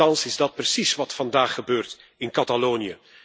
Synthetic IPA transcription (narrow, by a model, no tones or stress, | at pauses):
ɑnsɪzdɑt̚prəsisʋɑtfɑndaːχːəbøːrtɪnkɑtaloːnijə